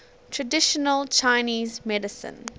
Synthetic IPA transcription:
tʰɹədɪʃənəlt͡ʃʰaɪniːzmɛdɪsə̰̃n

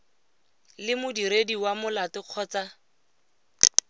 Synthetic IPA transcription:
lɪmʊdiɾediwamʊlatɪq͡χʰɔːt͡sa

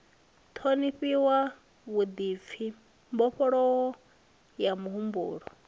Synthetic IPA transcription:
t̪ʰoniɸiwa | βud̪ip̪fʰi | mbɔɸɔɺɔɦɔ | jamuɦumbṵːɺɔ

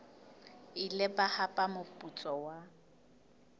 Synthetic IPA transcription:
ɪlɪbahapʼamʊpʼut͡sʼɔwa

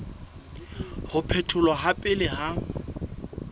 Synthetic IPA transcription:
hʊpʰɛtʰʊlwaɦapʼɪlɪɦa

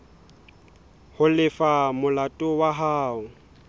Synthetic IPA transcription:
hʊlɪfamʊlatʼʊwaɦaːʊ

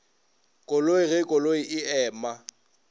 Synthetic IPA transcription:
kʼoloiɣɛkʼoloɪʔɪɛːma

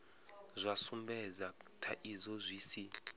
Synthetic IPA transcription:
zʷasumbɛd͡zatʰaʔizɔzʷiːsi

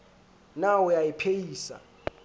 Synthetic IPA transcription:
nawujajipʰejiːsa̰

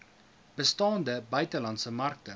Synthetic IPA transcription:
b̥əstɑːndəbœɥtəlɐntsəmɐrk̚tə

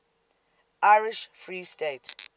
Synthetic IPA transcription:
ʔaɪɹiʃfɹiːstet

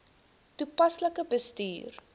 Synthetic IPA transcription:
tupɐsləkəbəsty̰ːr

